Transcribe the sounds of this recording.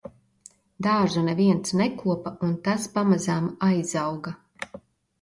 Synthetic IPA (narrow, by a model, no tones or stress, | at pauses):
d̪aːʒunɛviɛnt̪snɛkuɔpaunt̪aspamazaːmajzawɡa